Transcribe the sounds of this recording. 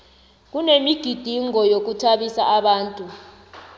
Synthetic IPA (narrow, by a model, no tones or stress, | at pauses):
k̬unemiɡ̥ʱid̥ʱiŋɔjok̬utʰaɓisaʔaɓaːntʼu